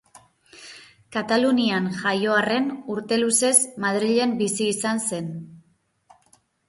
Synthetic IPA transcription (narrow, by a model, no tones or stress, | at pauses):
kat̪alunianʝajo̞are̞nuɾt̪e̞luse̞zmað̞ɾiʎe̞mbisiːsanse̞n